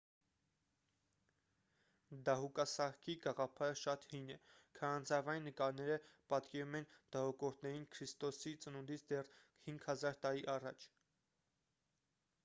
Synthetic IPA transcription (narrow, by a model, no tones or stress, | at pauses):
d̪ɑɦukɑsɑɾkʰiɡɑʁɑpʰɑɾəʃɑt̪hujnɛkʰɑɾɑnt͡sɑvɑjnːəkɑɾnɛɾəpɑt̪kɛɾumɛnd̪̥ɑɦɔkɔɾt̪ʰnɛɾinkʰɾist̪ɔsit͡sənund̪it͡sʰd̪ɛr | hiŋɡhɑzɑɾt̪ɑɾiʔɑrɑt͡ʃʰ